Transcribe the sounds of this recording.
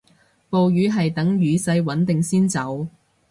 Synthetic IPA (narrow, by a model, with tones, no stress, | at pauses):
po˨wjyː˨˥ɦɐ˨jt̪ɐ˨˥ŋɥyː˨˥sɐ˧jwɐ˨˥nt̪ɪ˨ŋsiː˥nt͡sɐ˨˥w